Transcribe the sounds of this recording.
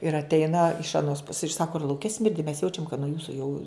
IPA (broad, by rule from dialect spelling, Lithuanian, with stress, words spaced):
ɪr ɐtʲˈɛɪnɐ ɪʃ ɐˈnoːs pʊs ɪr ˈsɑːkoː ɪr lˠɐʊˈkʲɛ ˈsʲmʲɪrʲdʲɪ mʲɛs ˈjɛʊt͡ʃʲɛm kɐt nuɔ ˈjuːsʊ jɛʊ